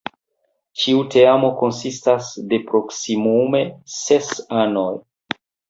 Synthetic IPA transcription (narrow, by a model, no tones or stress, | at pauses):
t͡ʃiute̞amo̞ko̞nsistasde̞pɾo̞ksimume̞se̞sano̞j